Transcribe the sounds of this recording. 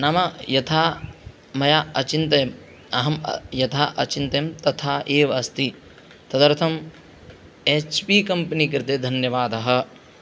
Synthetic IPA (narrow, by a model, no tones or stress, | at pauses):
nɐmɐjɐt̪ʰaː | mɐjaːɐ̰t͡ʃint̪ɐm | ɐɦɐm̰jɐt̪ʰaːʔɐ̰t͡ʃint̪emt̪ɐt̪ʰaːʔeːʋɐst̪i | t̪ɐd̪ɐɾt̪ʰɐm | eːt͡ʃpikɐmpɐnikɐɾɪt̪eːd̪ʱɐnjɐʋaːd̪ɐɦɐ̆